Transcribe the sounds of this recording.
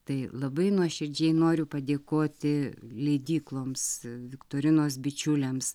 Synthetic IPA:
t̪ɐɪlˠɐbɐɪnuɔʃʲɪɾʲd͡ʒʲɛɪnoːɾʲʊpɐd̪ʲeːkoːt̪ʲɪlʲɛɪd̪ʲiːklˠoːmsʋʲɪkt̪oːɾʲɪnoːs̬bʲɪt͡ʃʲʊlʲɛms

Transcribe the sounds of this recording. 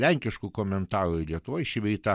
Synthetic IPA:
lʲɛŋʲkʲɪʃkuːkoːmʲɛnt̪ɑːɾuilʲiɛt̪ʊʋoːjʃʲɪʋʲɛt̪ɐ

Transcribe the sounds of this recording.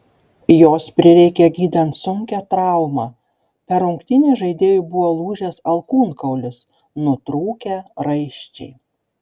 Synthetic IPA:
joːspʲɾʲɪɾʲɛɪkʲeːɡʲiːd̪ɐnt̪sʊŋʲkʲɛt̪ɾɑˑʊmɑː | pʲɛɾʊŋkt̪ʲɪnʲeːʒɐɪd̪ʲeːjʊbʊʋoːlˠuːʒʲesɐlˠkuːnkɐʊlʲʊs | nʊt̪ɾuːkʲæɾɐɪʃʲt͡ʃʲɛ̰ɪ

